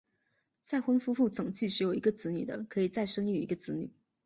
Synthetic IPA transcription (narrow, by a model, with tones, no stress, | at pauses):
t͡sa˥˩ɪxwə˥nfu˥fu˥˩t͡sɤ˨˩ŋt͡ɕi˥˧ʂɻ̩˥˩jo˨˩ʊi˧˥ɡə˧t͡sɹ̩˧˥ny̰˨˩d̪ə̰˦kʰɤ˧˥i˨˩t͡sa˥˩ɪʂə˥ŋy˥˩ḭ˧˥ɡə˧t͡sɹ̩˧˥ny̰˨˩˦